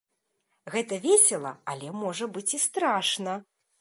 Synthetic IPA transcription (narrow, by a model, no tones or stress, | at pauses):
ɣɛt̪ɐvʲesʲɛlˠɐ̰ɐlʲɛmɔʐɐbɨt͡sʲist̪ɾaʂnɐ